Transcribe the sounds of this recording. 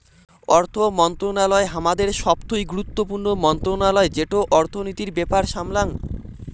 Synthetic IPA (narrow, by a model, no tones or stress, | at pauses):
ɔɾt̪ʰomɔnt̪ɾonalɔeɦamad̪eɾʃɔpt̪ojɡuɾut̪ːopuɾnomɔnt̪ɾonalɔed͡ʑeʈoʔɔɾt̪ʰonit̪iɾbɛpaɾʃamlaŋ